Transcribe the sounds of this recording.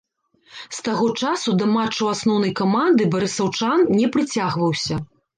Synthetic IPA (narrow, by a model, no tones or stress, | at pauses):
st̪aɣɔt͡ʂasud̪ɐmat͡ʂːɐwasnɔwnɐjkamand̪ɨbɐɾɨsɐwt͡ʂannʲɛpɾɨt͡sʲaɣvɐwsʲɐ